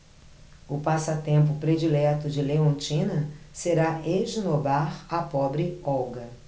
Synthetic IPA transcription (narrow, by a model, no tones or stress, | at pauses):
ʊpasɐt̪ẽmp̬ʊpɾed͡ʒilɛt̪ʊd͡ʒɪleõnt͡ʃĩnɐseɾaeʒnobaɾɐpɔbɾɪɔwɡɐ